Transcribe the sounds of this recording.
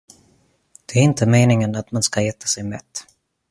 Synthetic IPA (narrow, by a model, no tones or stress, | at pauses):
d̪̥ɛæɾɪnt̪ʰəmeːnɪŋənat̪manskaɛːt̪ʰḁsɛjmɛt̪ː